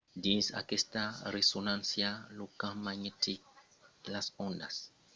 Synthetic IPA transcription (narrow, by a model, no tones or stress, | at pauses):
disa̰kestaɾesonãnsjalokãmaɲetik̚ | lasɔ̃nda̰s